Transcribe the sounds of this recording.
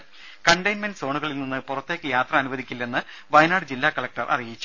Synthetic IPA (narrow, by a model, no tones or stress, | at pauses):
kɐɳɖɐjnmenɖɨso̞ːɳuɣɐɭilninːɨpurɐt̪ːeːkʲːɨjaːt̪rɐɐnuʋɐd̪ikʲːilːe̞nːɨ | ʋɐjnaːɽɨd͡ʑilːaːkɐɭɐk̚ʈɐrʔɐ̰rijit͡ɕːu